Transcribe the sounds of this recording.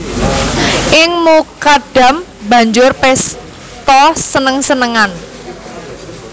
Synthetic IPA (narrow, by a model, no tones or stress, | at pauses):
ʔɪŋmukaɖ̥a̤m | bä̤ɲd͡ʒʊrpɛs | t̪ɔsənəŋsənəŋan